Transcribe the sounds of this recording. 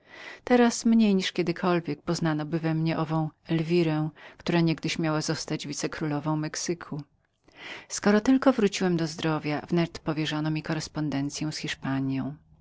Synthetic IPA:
t̪ɛɾasmɲejɲiʂkʲɛd̪ɘkʰɔlvʲjɛk̚pɔznanɔbɘvɛmɲɛʔɔvɔ̃w̃ɛlvʲiɾɛ̃kt̪uɾaɲɛɡd̪ɘɕmʲjawazɔst̪ad͡ʑvʲit̪sɛkɾulɔvɔ̃w̃mɛksɘkʰu | skɔɾɔt̪ɘlkɔvɾut͡ɕiwɛmd̪ɔzd̪ɾɔvʲjavnɛt̪pɔvʲjɛʐɔnɔmʲikɔɾɛspɔnd̪ɛnt̪sʲjɔ̃w̃sxʲiʂpaɲjɔ̃w̃

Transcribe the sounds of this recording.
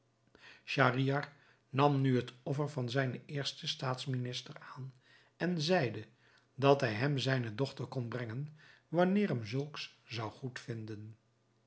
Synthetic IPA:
ʃaːriɑr | nɑmnyɦətɔfəɹvɑnzɛjnəɪːɹstəstaːtsminɪstəraːn | ɛnzɛjdə | dɑtɦɛjɦɛmzɛjnədɔχtəɹkɔnbrɛŋən | ʋɑnɪːrɦɛmzɵlˠkszɑwχutfɪndən

